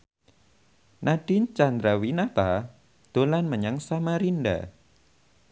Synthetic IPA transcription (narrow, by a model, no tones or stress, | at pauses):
naɖ̥ɪnt͡ʃand̪ɾawinat̪a | d̪̥o̤lanməɲaŋsamaɾinɖa̰